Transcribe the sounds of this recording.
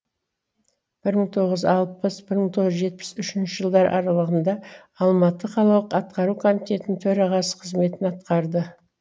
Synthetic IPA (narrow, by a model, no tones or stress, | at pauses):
b̥ɪɾməɴt̪ʰo̞ʁəzɑlˠpəsbɪɾməɴt̪ʰo̞ʁzʒe̞t̪̚pɪ̥sʏʃɪnʃɪʒəlˠd̪ɑɾʔɑ̰ɾɑlˠəʁənd̪ɑ | ɑlˠmɑt̪ːəqʰɑlˠɑwəqɑt̪qɑɾukʰo̞mit̪e̞t̪ɪnɪt̪ʰɵɾɑʁɑsə̥qʰəzme̞t̪ɪnɑt̪qɑɾd̪ə